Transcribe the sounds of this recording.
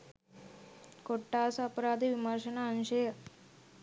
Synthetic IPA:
koʈːaːsɐːpɐɾaːd̪iʋimɐɾʃɐnaːnʃɐjɐ

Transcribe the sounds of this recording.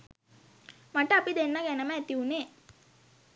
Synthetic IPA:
maʈəːpid̪enːaɡænəməæt̪iuneː

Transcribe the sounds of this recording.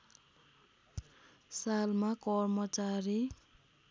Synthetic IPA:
salmakɔrmʌt͡saɾi

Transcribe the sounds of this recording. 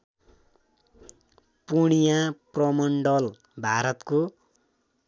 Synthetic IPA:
puɽ̃ijãprʌmʌɳɖʌl | bʱaɾʌt̪ko

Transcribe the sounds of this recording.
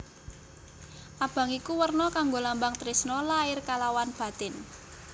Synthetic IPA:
ʔab̥a̤ŋikuwərnɔkaŋɡolambaŋt̪ɾɪsnɔlaɪrkalawanb̥a̤t̪ɪn

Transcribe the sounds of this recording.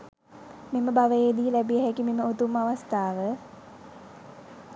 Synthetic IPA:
meməbaʋəjeːd̪iːlæbiəɦækimeməot̪umaʋast̪aːʋə

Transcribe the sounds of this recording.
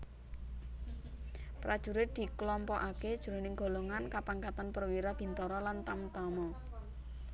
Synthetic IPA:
pɾad̥ʒ̥ṳɾɪt̪̚d̪̥i̤klɔmpɔʔaked̥ʒ̥uɾo̤nɪŋɡ̥o̤loŋankapaŋkat̪anpərwiɾab̥i̤nt̪ɔɾɔlant̪amt̪ɔmɔ

